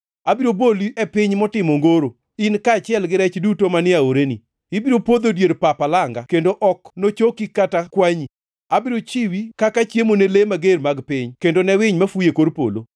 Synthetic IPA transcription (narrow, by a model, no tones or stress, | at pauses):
abiɾoboliʔɛpɪɲmɔtɪmoŋɡoɾo | inkaːt͡ʃɪɛlɡɪɾɛt͡ʃdutomanɪaoɾenḭ | ibiɾopod̪odjeɾpapalaŋɡakendoʔɔknot͡ʃokikːatakwaɲi | abiɾot͡ʃiwikakat͡ʃjemonelemaɡeɾmaɡpɪɲkendonɛwɪɲmafujekoɾpo̰lo̰